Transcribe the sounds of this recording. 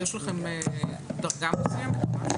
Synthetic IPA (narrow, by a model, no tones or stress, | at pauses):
jeʃlaχemed̪ɐʁɡamusimma